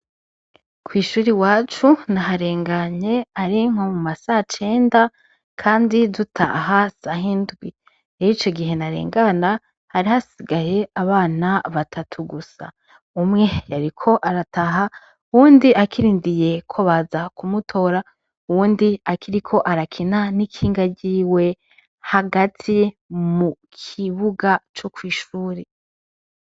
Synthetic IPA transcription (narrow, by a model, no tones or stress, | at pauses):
kwiːʃuːɾiwaːt͡ʃunaɦaɾe̞ːŋɡaɲe̞aɾiŋ̥omumasahat͡ʃe̞ːnda | kʰaːndizutʰa̰ɦasahindɡwi | eit͡ʃo̞ɡiɦe̞naɾḛːŋɡana | haɾihasiɡaje̞aβaːnaβatʰatʰuɡusa̰ | umŋe̞jaɾikʰo̞ʔaɾatʰaɦa | uwuːndiʔakiɾiːndije̞kʰoβazakʰumutʰo̞ːɾa | uwuːndiakiɾikʰo̞ʔaɾakʰinanikʰiːŋɡaɟiːwe̞ | haɡatʰi | mukʰiβuɡat͡ʃokwiːʃuːɾe